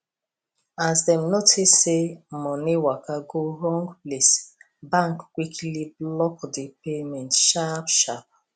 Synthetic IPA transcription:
asdɛmnotʰissemɔniwakaɡoɹɔ̃ŋɡples | bãŋkkwikʰliblɔkdipemɛ̃ntʃapʃap̚

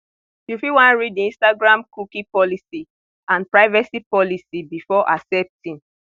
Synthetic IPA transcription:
ufiwãnɹidĩnstaɡɹãmkukipɔlisi | ãnpɹaɪvasipɔlisibifɔʔa̰sɛp̚tĩn

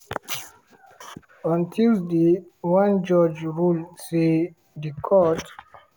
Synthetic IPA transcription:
ɔ̃ntʰildiwãnd͡ʒɔd͡ʒɹulse | dikʰɔt

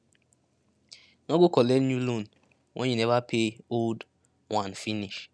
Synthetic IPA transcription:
nɔɡʷʊkɔlenjulon | wʔḛɲenevapʰeold | wanfiniʃ

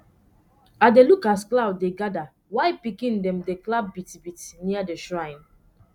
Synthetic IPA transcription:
adelukasklaʊd̚deɡada | waɪpikĩndɛ̃mdeklab̚bitbitniadeʃɹãɪ̃n

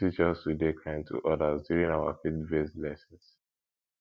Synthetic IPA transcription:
it͡ʃɔstudekʰãɪ̃ntʰṵʔɔdazdjuɹĩŋaʊa̰fitvɛslɛsɔ̃ns

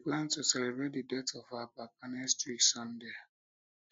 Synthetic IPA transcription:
iɡãntusɛlebɾet̚didɛtɔfabap̚anɛstisɔ̃ndea

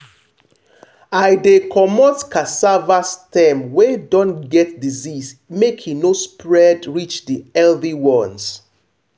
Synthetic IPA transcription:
ajdekʰɔmɔtkasavastɛmwedɔ̃nɡɛtdizismekʰhinospɹɛdɹit͡ʃdiɛlðiwɔ̃ns

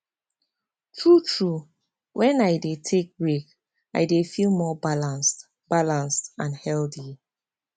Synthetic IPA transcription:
tʰɹutʰɹu | wʔɛ̃naɪdetʰek̚ɹek | a̰ɪdefilˠmɔbalãnst | b̥alãnstãnhɛlθi

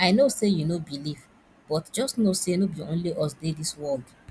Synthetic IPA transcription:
aɪnosejunobiliv | b̥ɔtd͡ʒɔstnosenobiõ̰nliʔɔsdediswɔld

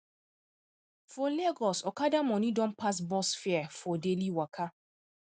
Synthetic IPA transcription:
fɔleɡɔsɔkadamɔ̃nidɔ̃npʰas̬bɔsfɛafɔdeliwakʰa

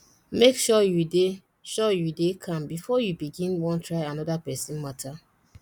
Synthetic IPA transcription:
mekʃɔjude | ʃɔjudekʰãnbifɔjubiɡĩnwɔ̃ntɹaɪanɔdapɛsĩnmatʰa

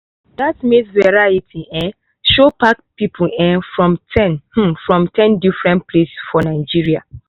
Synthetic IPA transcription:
datmesvɛɹaitʰiʔɛ̃ | ʃopakpipʰuɛ̃fɹɔ̃mtʰɛ̃nh̩fɹɔ̃mtʰɛ̃ndifɹɛ̃nt̚pʰlessfɔnaɪd͡ʒiɹia̰

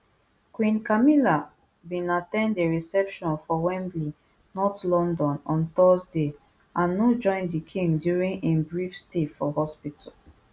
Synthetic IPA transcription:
kwĩnkamila | bĩnatɛ̃ndeɹisɛpʃɔ̃nfɔwɛ̃nbli | nɔtlɔ̃ndɔ̃nɔ̃nt̪ɔzde | ʔãnːod͡ʒɔ̃ɪ̃ndikʰĩŋɡdjuɹĩŋẽnbɹifstetfɔhɔspitʰal

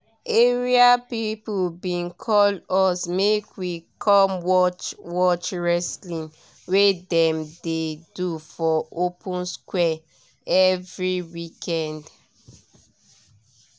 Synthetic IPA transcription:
eɹiapipulbĩnkʰɔlɔsmekwikʰɔmwɔt͡ʃwɔt͡ʃɹɛslĩn | wedɛ̃mdedufɔopʰũnskwɛ | ɛvɹiwikʰɛ̃nd

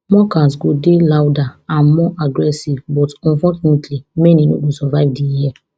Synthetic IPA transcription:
mɔkas̬ɡodelawdaãnmɔʔaɡɾɛsivbɔtɔ̃nfɔt͡ʃunɛtʰlimɛ̃nino̰ɡosɔvaɪvdijiɛ

